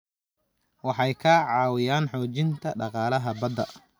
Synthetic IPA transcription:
wɑħɑjkʰɐʕɑːwɪjaːnħɔːt͡ʃɪnt̪ʰɐɖɑqɑːlɐɦɐbɐd̪ɐ̰

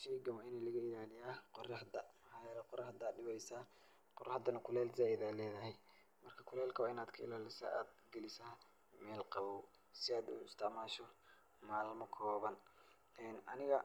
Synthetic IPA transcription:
ʃɛɡɐwaɪnɛːlɐɣɐɪlaːlɪjaːqɔrɑħd̪ɐmɐħɑːjɛːlɛqʊɾɑħd̪aːd̪ɖɪwɛjsaː | qʊrɑħd̪ɐnɐkʰʊlɛːlzaːɪðaːlɛːðɐɦɛj | mɐrkʰɐkʰʊlɛːlkʰɐwaːɪnaːd̪kʰɐɪlaːlɪsa̰a̰ːd̪̚ɡɛlɪsaː | mɛːlqɑβɔw | sɪaːd̪ṵːɪst̪ʰɐʕmaːʃɔ | maːlmɐkʰɔːβɐn | ɛːnɐnɪɣɐ

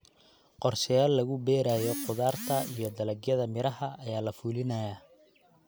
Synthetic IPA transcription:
qɔrʃɐjaːlːɐɣʊbɛːɾaːjɔqʊðaːrt̪ʰɐijɔd̪ɐlɐɡjɐðɐmɪɾɐɦɐʔɐjaːlɐfuːlɪnɐjaː

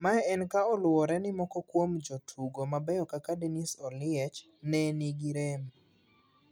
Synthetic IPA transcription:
maɛɛnkaɔlwɔɾɛnɪmɔkɔkwomd͡ʒotʰuɡomabɛjɔkakadenisɔlɪɛt͡ʃ | nɛniɡiɾem

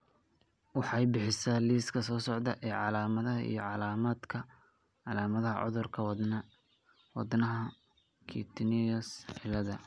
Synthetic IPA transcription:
wɑħɑjbɪħɪsaːliːskʰɐsɔːsɔʕd̪ɐʔɛːʕɑlaːmɐðɐɦɐʔḭjɞʕɑlaːmaːd̪kʰɐ | ʕɑlaːmɐðɐɦɐ̰ʕʊ̰ðʊrkʰɐw | wɑ̰d̪nɐɦɐ | kʰḭt̪ʰniɐsħɪlɐðɐ

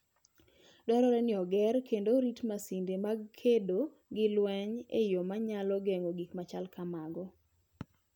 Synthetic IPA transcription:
dɔɾɔɾɛnɪɔɡɛrkendoɾitmasindemaɡkʰedo | ɡɪlwɛɲḛjomaɲalɔɡeŋoɡikmat͡ʃalkamaɡɔ

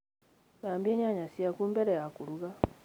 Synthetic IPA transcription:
ɡaːmbjeːɲaɲasijakuːmbeɾejakuɾuɣa

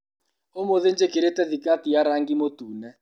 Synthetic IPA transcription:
omoðend͡ʒekiɾetɛd̪ikʼatijaɾaŋɡimotuːnɛ

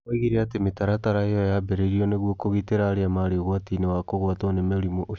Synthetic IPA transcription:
eɣiɾeatemetaɾataɾaejɔjabɛɾeɾiɔneɣwokoɣiteɾaːɾeamaɾeɣwatinewakoɣwatonemeɾimoʔo

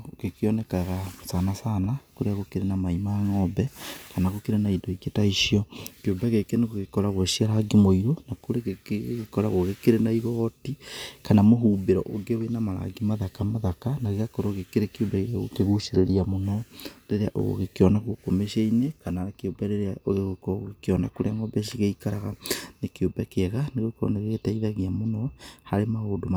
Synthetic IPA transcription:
ɣekeɔnɛkaɣasanasaːnakoɾeaɣokeɾenamaimaːŋɔbɛkanaɣokeɾenaidoiketaiʃiɔkeobɛɣekeneɣoɣekɔɾaɣwɔɕiaɾaɡimoiɾonakoɾeɣekɔɾa̰ɣwɔɣekeɾenaiɣɔtikanamoɦuːbeɾɔ̰ʔoɡewenamaɾa̰ɡimaðakamaðakanaɣeɣakɔɾɔɣekeɾekiobaiɣaɣo̰keɣuʃeɾeɾiamonɔɾeɾea̰ʔo̰ɣo̰ɣekeɔnaɣokomeʃeinekananakeobɛɾeɾeaoɣeɣokekeɔnakoɾeaŋɔbɛʃ̬iɣeikaɾaɣanekeobakeɛɣaneɣokɔɾɔ̰neɣeɣetaiðaɣiamonɔhaɾemahodoma

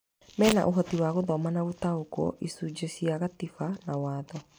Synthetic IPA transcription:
mɛːna̰ʔoɦɔtiwaɣoðɔmanaɣotaokɔ̰ʔisud͡ʒesiaɣatifanawaːðɔ

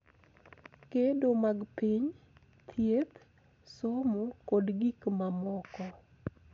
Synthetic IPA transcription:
kedomaɡpiɲ | t̪ʰjet̪ | somukodɡikmamɔkɔ

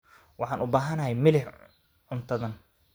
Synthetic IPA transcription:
wɑħɑːnʔʊbaːɦɐnɐɦɛjmɪlɪħ | ʕʊnt̪ʰɐðɐn

